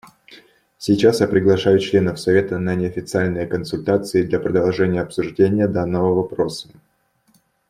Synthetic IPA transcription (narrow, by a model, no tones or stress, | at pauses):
sʲɪt͡ɕasjapɾʲɪɡlˠɐʂajʊt͡ɕlʲe̞nəfsɐvʲe̞t̪ənənʲɪɐfʲɪt̪sɨalʲnɨjəkənsʊlʲt̪at̪sɨɪd̪lʲɐpɾəd̪ɐlˠʐɛnʲɪjəɐpsʊʐdʲenʲɪjəd̪anːəvəvɐpɾo̞sə̥